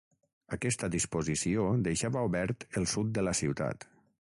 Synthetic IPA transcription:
əkɛst̪ədispuzisiod̪əjʃaβəuβɛɾt̪əlˠsut̪̚d̪ələsiwt̪a̰t̪

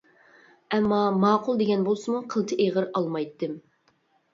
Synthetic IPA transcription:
ɛmːɑmɑːqʰʊlˠd̪eɡʲɛnbolˠsɨmuqʰəlˠt̪ʰɨʔeʁəɾɑlˠmɑjt̪ːɨm

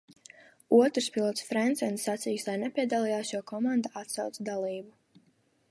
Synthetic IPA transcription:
uɔt̪ɾspilˠɔt̪sfɾɛnt̪sɛnsːat̪sijuslajnɛpʲiɛd̪alˠijaːsʃuɔkʰɔmand̪aat̪sawt̪sd̪alˠiːbu

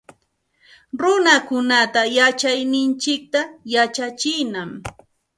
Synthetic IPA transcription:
ɾʊnakʊnat̪ajat͡ʃajnɪnt͡ʃɪk̚t̪ajat͡ʃat͡ʃɪjnam

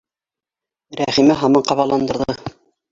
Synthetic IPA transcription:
ɾæχimɘɦɑmɑɴqɑβɑlˠɑnd̪ɤ̆ɾðɤ

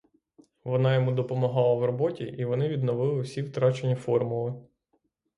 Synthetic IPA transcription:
ʋɔnɑjɔmud̪ɔpɔmɔɦɑlˠɐwrɔbɔtʲiʔiʋɔnɪʋʲid̪nɔʋɪlˠɪwsʲiwt̪ɾɑt͡ʃenʲːifɔrmʊlˠɪ

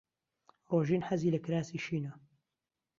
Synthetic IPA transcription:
roːʒiːnħɐziːlɐkɾaːsiːʃiːnɐ

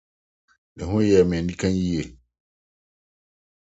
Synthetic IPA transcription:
ɗɛɦɔnjɛmɛndikanjijɛ

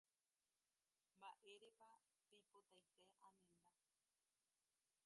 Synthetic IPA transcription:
mbaʔe̞ɾepa | t̪ejpot̪ajseʔãmẽnd̪a

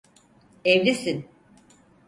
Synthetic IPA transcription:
evlʲisin

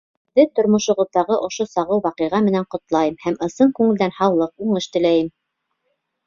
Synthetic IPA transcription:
ɘðɘt̪ŏɾmŏʃŭʁŏðːɑʁɤʔŏʃosɑʁɤwwɑqɤ̆ʁɑmɘ̆næɴqŏt̪lˠɑjɤmhæmɤ̆sɤɴkʉŋɘ̆ld̪ænhɑwlˠɤquɴɤʃt̪ɘ̆læjɘm

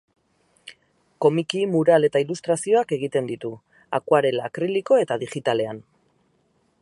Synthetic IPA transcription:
ko̞mikimuɾale̞t̪ailust̪ɾasio̞ake̞ɣ̞it̪e̞nd̪it̪u | a̰kwaɾelakɾiliko̞e̞t̪aðiʝit̪ale̞an

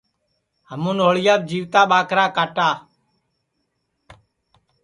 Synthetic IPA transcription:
ɦəmũːnoːɭɪjaːt̪̚d͡ʒiːʋt̪aːɓaːkɾaːkaːʈaː

